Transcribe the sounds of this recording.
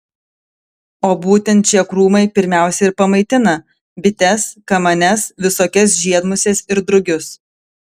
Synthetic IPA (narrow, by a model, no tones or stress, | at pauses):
oːbuːt̪ʲɛnt̪t͡ʃʲiɛkɾuːmɐɪpʲɪɾʲmʲæˑʊsʲɛɪɾpɐmɐɪt̪ʲɪnɐ | bʲɪt̪ʲɛskɐmɐnʲɛsʋʲɪsoːkʲɛs̬ʒʲiɛd̪mʊsʲɛsɪɾd̪ɾʊɡʲʊs